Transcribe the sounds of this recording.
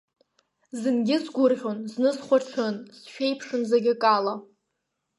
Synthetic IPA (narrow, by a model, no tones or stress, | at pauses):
zɨnɡʲɪzɡʷʊrʁʲonznɨzχʷaʈ͡ʂʰɨnsʃᶣejpʰʂɨnzaɡʲɪkʼala